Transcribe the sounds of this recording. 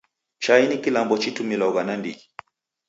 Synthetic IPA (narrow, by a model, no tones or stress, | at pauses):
t͡ʃainikilambɔt͡ʃitumilauɣanandḭɡi